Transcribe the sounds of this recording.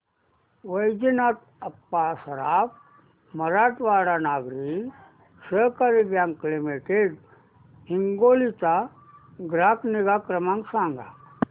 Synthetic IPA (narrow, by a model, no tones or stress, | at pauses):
ʋəjd͡ʑinat̪̚ | əpːasəɾap | məɾaʈʋaɽanaɡɾi | səkaɾibjãŋklimeʈeɽ | ɦiŋɡolit͡sa | ɡɾakniɡakɾəmãŋksãŋɡa̰